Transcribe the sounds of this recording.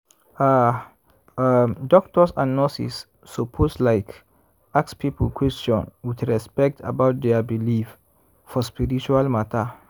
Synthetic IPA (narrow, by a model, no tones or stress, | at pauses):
a | amdɔk̚tɔsãnːɔsḭsː | opʰoslaɪk | akspʰipəlkʰwɛst͡ʃɔ̃nwidɹɛspɛk̚tʰa̰baʊt̚d̪ɛabilif | fɔspiɹit͡ʃualmata